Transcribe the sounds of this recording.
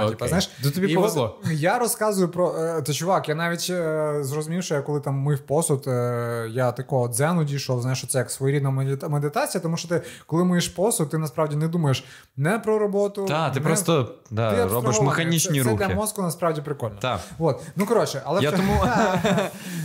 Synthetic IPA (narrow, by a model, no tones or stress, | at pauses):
ip̪ɐznajʃt̪uɪbʲiipɔʋezlˠɔjaɾɔskɑzʊjʊpɾɔt̪ɛt͡ʃʊʋɑkjanɑʋʲitʲzrɔzʊmʲiwʃɔjɐkːɔlˠɪt̪ɑmːɪfpɔsʊt̪jat̪ɐkɔɦɔd̪zɛnʊdʲiʃɔwˠznajʃt͡ʃɔt̪sɛjɐksʋɔjɾʲid̪nɐmed̪ɪt̪ɑt͡sʲijɐt̪ɔmuʃt͡ʃɔt̪ɪkɔlˠɪmʊjeʃpɔsʊt̪ːɪnɐspɾɑwdʲinɛd̪umɐjeʃ | nɛpɾɔɾɔbɔt̪ʊd̪at̪ɪnpɾɔt̪ɔd̪aɪjɐɾɔbɪʃmexɐnʲit͡ʃnʲiɾuk̪lʲɐɪ̰mɔskʊnɐspɾɑwdʲipɾɪkɔlʲn̰d̪aʋot̪nukɔɾɔt͡ʃɛʔɐlˠɛjat̪um